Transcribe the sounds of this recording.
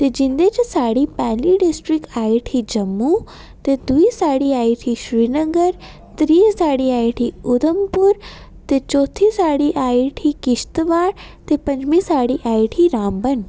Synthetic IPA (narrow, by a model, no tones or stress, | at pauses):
t̪ed͡ʑĩnd̪ed͡ʑsaːɽipɛːliɖisʈɾikaːiʈʰid͡ʑɐmːu | t̪ed̪uisaːɽiaːiʈʰiʃɾiːnəɡəɾ | t̪ɾiːsaːɽiaːjʈʰiʊd̪əmpuɾ | t̪et͡ʃoːt̪ʰisaːɽiʔaːiʈʰikiʃt̪ʋaːɽt̪epɐ̃ɲd͡ʑmisaːɽiʔaːiʈʰiɾãːmbən